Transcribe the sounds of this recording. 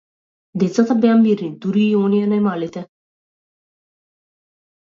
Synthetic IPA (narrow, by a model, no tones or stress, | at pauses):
d̪et͡sːɐt̪ɐbeambiɾind̪uɾiːjoːniɐnɐjmalit̪ɛ